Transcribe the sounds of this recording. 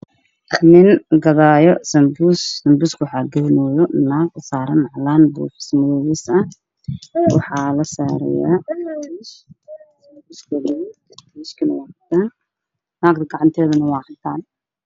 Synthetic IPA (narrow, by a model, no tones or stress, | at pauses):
nɪnɡɐðaːjɔsɐmbusːɐmbuːskʰwħɑːɡɐnɔjɔnaːɡsaːɾɐnʕlaːnbṵːħɪ̥smɐðɔːwɪsɐ | wɑ̰ħɑːlɐsaːɾɛ̰ja̰ːnssɐmbuskʰɛlɛ | buːskʰɪnɐwɑːħɑt̪ʰaːn | naːɡt̪ɐɡɑʕɑnt̪ʰɛːðɐnɐwɑːħɑt̪ʰaːn